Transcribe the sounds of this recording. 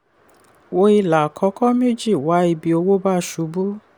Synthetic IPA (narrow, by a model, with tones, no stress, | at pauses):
wo˧i˧la˨kʰɔ˧˦kɔ˦m˦u˦˨d͡ʒi˦˨wa˨˦i˧bi˧o˧wo˦ba˦˨ʃu˨˧˦bu˦